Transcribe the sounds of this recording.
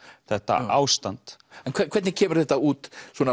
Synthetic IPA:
θɛht̪a̰ʔaːwst̪ant̪ɛnkʰvɛkʰvɛɾt̪nɪcʰɛːmʏɾ̥θɛht̪auːt̪sɔːna

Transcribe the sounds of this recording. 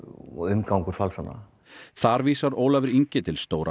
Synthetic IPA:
ɔʏmkawŋkʏɾ̥falsanːa̰ | θaɾviːsaɾoːwlavɪɾiɲcɪt̪ʰɪlst̪oːwɾʔa

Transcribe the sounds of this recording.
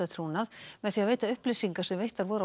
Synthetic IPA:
at̪ʰɾuːnaðmɛðθiaveːjt̪aʏhplesiŋkasɛmvejht̪aɾvɔːɾ

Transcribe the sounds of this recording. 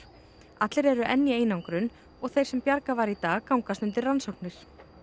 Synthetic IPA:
at̪lɪɾɛɾʏʔɛnːjɪeːjnawŋkɾʏn | ɔɣθejɾ̥sɛmpjaɾkavaɾit̪aːɣkawŋkast̪ʏnt̪ɪransowknɪɾ̥

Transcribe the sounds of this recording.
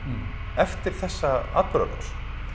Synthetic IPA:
ɛft̪ɪɾ̥θɛsːaa̰t̪pɾœ̰la̰s

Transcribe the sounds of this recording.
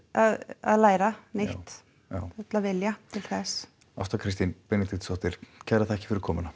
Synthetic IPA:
aða̰ðlaːjɾanejt̪ | aθɛt̪lavɪljat̪ʰɪlθɛs | a̰st̪akʰɾɪst̪inpɛnɪt̪it̪sɔht̪ɪɾ̥cʰɛɾaθaɛhcɪ̥fɪɾɪɾkʰɔːmʏna

